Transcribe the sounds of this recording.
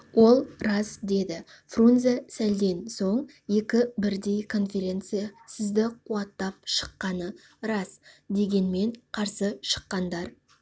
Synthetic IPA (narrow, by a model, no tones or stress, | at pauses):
wo̞lˠɾɑzd̪e̞d̪ɪ | frunzasæld̪e̞nso̞ɴ | je̞kʲɪbɪɾd̪e̞jkʰo̞nfʲe̞ɾʲe̞nt̪sɨjasɪzd̪ɪqʰuɑt̪ːɑp̚ʃə̥qːɑnə | ɾɑsd̪e̞ɡʲe̞nme̞ɴqʰɑɾsəʃə̥qːɑnd̪ɑɾ